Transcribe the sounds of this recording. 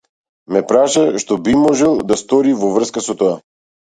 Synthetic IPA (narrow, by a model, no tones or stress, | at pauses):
mɛpɾaʃaʃt̪ɔbimɔʒɛlˠd̪ast̪ɔɾivɔvr̩skasɔt̪ɔa